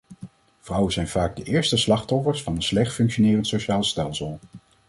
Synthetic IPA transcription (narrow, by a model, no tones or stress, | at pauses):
v̥rʌwənzɛjnvaːɡ̚dəʔɪːɹstəslɑχtɔfəɹsfɑnənslɛχtfɵŋkʃonɪːrəntsoʃaːlˠstɛlˠsəlˠ